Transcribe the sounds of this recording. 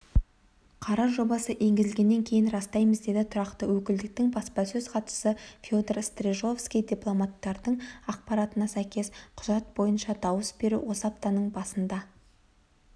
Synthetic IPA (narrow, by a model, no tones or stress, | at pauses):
qʰɑɾɑʒo̞bɑsəʔe̞ŋɡʲɪzɪlɡʲe̞nːe̞ŋkʲʰe̞jɪnrɑst̪ɑjməzd̪e̞d̪ɪt̪ʰʊɾɑqt̪əwɵkʲɪld̪ɪk̚t̪ɪŋbɑspɑsɵz̥qʰɑt̪ə̥səfʲod̪eɾst̪reʒo̞fskʲijd̪ʲiplˠo̞mat̪ːɑɾd̪əɴɑq̚pɑɾat̪ənɑsæjkʲe̞sqʰʊʒɑt̪̚bo̞jənʃɑd̪ɑwəsbe̞ɾṵwo̞sɑp̚t̪ɑnəɴbɑsənd̪ɑ